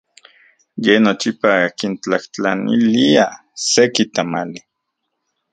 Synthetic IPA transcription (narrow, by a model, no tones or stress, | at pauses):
jenot͡ʃipaakint͡ɬaht͡ɬa̰nḭlia | sekit̪amali